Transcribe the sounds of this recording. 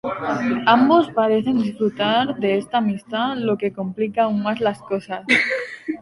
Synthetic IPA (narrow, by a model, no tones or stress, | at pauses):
ambospaɾe̞θe̞nd̪isfɾut̪aɾðeest̪aːmist̪alo̞ke̞komplikauŋmazlaskosas